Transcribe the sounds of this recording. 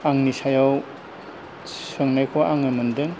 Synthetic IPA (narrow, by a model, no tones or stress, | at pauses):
aŋnisajaw | sɯŋnajkʰɔʔaŋɯmɯndɯŋ